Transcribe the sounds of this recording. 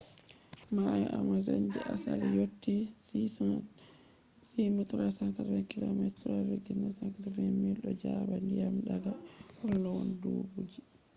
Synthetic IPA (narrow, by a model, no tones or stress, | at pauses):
majɛʔamazaɲd͡ʒɛʔasa̰lijotːi | simɛtɾasaŋkatafɛnkilomɛtɾaɾeɡinːasaŋkatafɛmilɗɔd͡ʒabandijamɗaɡahɔlːɔwɔndoːbud͡ʒi